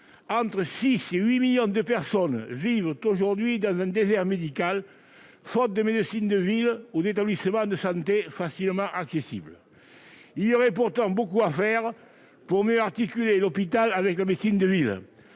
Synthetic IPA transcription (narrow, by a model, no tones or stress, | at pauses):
ɑ̃nt̪χəsiseɥimiljɔ̃d̪əpɛʁsɔnvivət̪oʒuʁd̪ɥid̪ɑ̃zɛ̃nd̪ezɛʁmed̪ikal | fɔt̪̚d̪əmed̪əsind̪əvilud̪et̪ablisəmɑ̃d̪əsɑ̃t̪efasilmɑ̃ʔaksesḭblə | iljoʁɛp̬uʁt̪ɑ̃bokuafɛʁ | puʁmjøaʁt̪ikylelɔpit̪alavɛklamet̪sind̪əvil